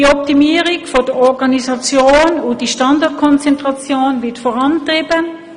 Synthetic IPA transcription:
iɔp̚timiːʁɪkfod̥əɔʁɡɑnisɑt͡sjoːnod̥iʃtɑndɑʁtkʰɔnt͡sɛntʁɑt͡sjoːnvɪɐtfoʁɑntʁiːbən

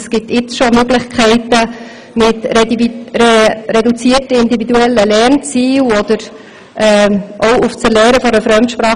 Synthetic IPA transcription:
sɡ̥ɪt̪ɪt͡sʃomøɡlɪχkʰɛɪtə | mɪtɾ | ɾɛdut͡siːərtəɪnd̪ivid̪uɛlːəlɛɾnt͡siːlɔd̪̥əɾ | ʔɛːʔoʊuft͡səlɛːɾəfɔɾəfɾœmtʃpɾɑː

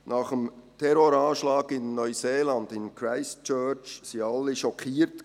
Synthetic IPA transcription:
nɑːχəmtʰɛɾoɾɑːʃlɑːɡɪnːœʏseːlɑndɪnkʰɾaɪst͡ʃœːt͡ʃsiɑlːiʃɔkʰiːɾt

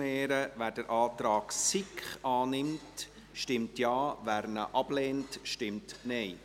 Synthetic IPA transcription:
ɛːɾəʋæːd̥əɾʔɑːt̪ɾɑːksɪkχɑːnɪmt | ʃtɪmtjɑːʋæɾnə̰ʔɑb̥lɛːntʃtɪmtnɛɪ

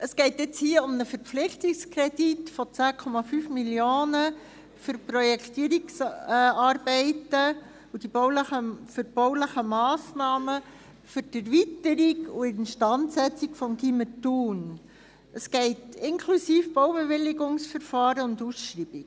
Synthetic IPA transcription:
ʔəsɡ̥ɛɪtjɛt͡shiːəʊmnəfəɾp͡flɪχtikskɾɛditfɔt͡sæːkʰɔmɑfyːfmiljoːnə | fʏɾpɾɔjɛktiːəɾiksɑːɾbɛɪtə | ud̥iboʊləəfʏɾb̥owləχəmɑːsnɑːmə | fʏɾd̥æɾvitəɾikuɪnʃtɑntsɛt͡sikfɔmɡimətuːn | əsɡ̥ɛɪtɪnkʰlusiːfb̥owbeʋɪlɪɡʊŋsfəɾfɑːɾəʊndusʃɾiːb̥ik

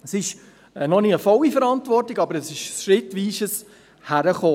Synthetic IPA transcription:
əsɪʃ | nɔniəfɔlifəɾɑntʋɔrtiɡɑbəɾəsɪʃsʃɾɪtʋiːʃəs | hæɾəχoː

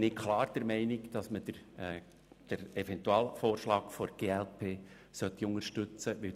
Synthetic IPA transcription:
nɪkʰlɑːɾd̪̥əɾmɛɪnɪkd̥ɑsmədə | d̥əɾɛfɛnt̪uɑːlfoːɾʃlɑːɡfoɾɡ̥eːælpʰeː | sœt̪ːiʊŋəɾʃtʏt͡səʋɪ

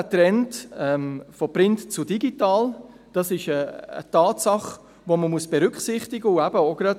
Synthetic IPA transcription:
ətɾɛntɛmfɔpɾɪntt͡sudiɡitɑːl | d̥ɑsɪʃə̰ːtɑːtsɑχ | ʋoməmuəsb̥ɛɾʏkχsɪχtɪɡəuæb̥əoɡ̥ɾɑd

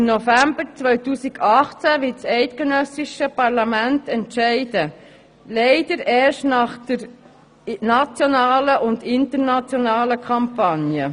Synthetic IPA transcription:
ɪmnofæmbəɾt͡svœɥtuːsiɡɑχt͡sæʋɪtt͡sɛɪtkɛnœsɪʃəpɑʁlɑmæntɛntʃɛɪdə | lɛɪdəɾɛːʃtnɑχd̪̥əɾ | nɑt͡sjonɑːləʔʊndɪntəɾnɑt͡sjonɑːləkʰɑmpɑnjə

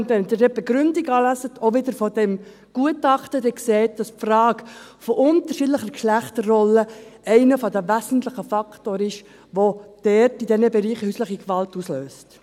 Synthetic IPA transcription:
ʊntɛndɛdɛb̥ɛɡɾʏndiɡɑːlæsətʰoʋɪdəɾfɔdɛm | ɡ̥uətɑχtədɛkseːt̚d̥ɑspfrɑːɡfɔʔʊntəɾʃidləχəɾkʃlæχtərrɔləɛɪnəfɔdəʋæsən̩tləχəfɑktoːɾɪʃ | ʋod̥ɛrtidɛnəbɛɾiːχəhyːsləχikʋɑltusløːst

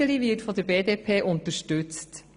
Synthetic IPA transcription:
əlivɪːtfɔd̪əɾbeːdeːpʰeːʔʊntəɾʃtʉt͡st

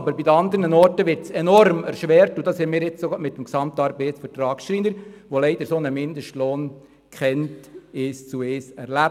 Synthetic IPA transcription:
bəɾbidəɑnd̪əɾnənɔrtəʋɪɾtt͡sɛnɔɾmɛɾʃʋɛːɾtʊd̥ɑːshɪnmɪːɾjɪt͡ssomɪtːəm̩ksɑmt̪ɑɾbɛɪt͡sfəɾtɾɑːkstɾiːnəɾʋolɛɪd̥̪əɾsonəmɪnd̪əʃtloːn | kχɛntɪʃt͡sueːsɛɾlæ

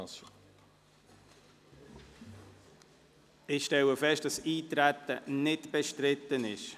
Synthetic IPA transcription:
s | ɪxʃtɛləfɛʃt̚d̥ɑsiːtɾætənɪtb̥ɛʃtɾɪtːənɪʃ

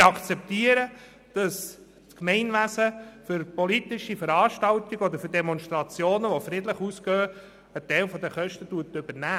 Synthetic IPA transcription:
ɑkt͡sɛp̚t̪iəɾə | d̥ɑs | skmɛɪnʋæsəfʏɾpɔlit̪ɪʃifəɾɑːʃtɑltiɡəɔd̪əɾfʏdɛmɔnʃt̪ɾɑt͡sjoːnəʋɔfɾɪd̪ləχuːsɡœː | ətɛlfɔd̪əχœʃtətuətʏbəɾnæː

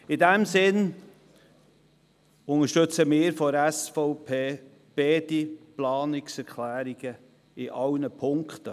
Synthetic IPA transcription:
ɪdɛmsɪn | ʊŋəɾʃtʏt͡səmɪːɾfɔɾæsfɔʊpʰeː | b̥eːdiplɑːnɪksɛɾkʰlæːɾiɡ̥ə | ɪʔɑwnəpʰʊŋktə

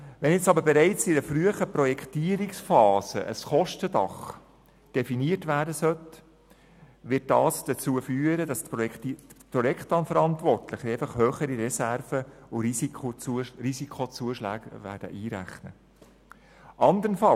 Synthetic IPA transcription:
ʋɛnjɛt͡sɑbəɾbɛɾɛɪt͡sidəfɾyəχəprɔjɛktiːəɾiksfɑːsə̰ʔə̰sχɔʃtədɑ̰χ | d̥ɛfiniətʋæːɾdəsœt | ʋɪt̚d̥ɑːsd̥ət͡suːəfyːəɾədɑstptpɾɔjɛkχtɑnfəɾɑntʋɔrtlɪχəɛɪfɑχhœːχəɾiɾɛsærfəʊiiot͡suərisikʰot͡suəʃlæ̰ːɡʋæ̰ːɾd̥ə̰ʔiːɾæ̰χnə | ʔɑnd̪əɾənfɑ

